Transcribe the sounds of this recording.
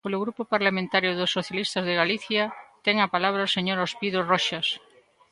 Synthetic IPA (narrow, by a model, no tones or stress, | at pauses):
poloɣɾupopaɾlamẽnt̪aɾjʊðosːoθjalist̪azðeɣaliθjat̪ɛŋapalaβ̞ɾaoseɲoɾospiðorɔʃas